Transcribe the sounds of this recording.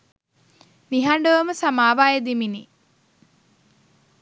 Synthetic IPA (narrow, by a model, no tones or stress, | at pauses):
niɦaɳɖəʋɐməsamaːʋaːjed̪imini